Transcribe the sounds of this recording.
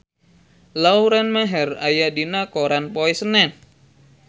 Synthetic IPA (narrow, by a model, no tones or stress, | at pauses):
lauɾanmaɦɛra̰jadinakoɾanpoɛsənɛn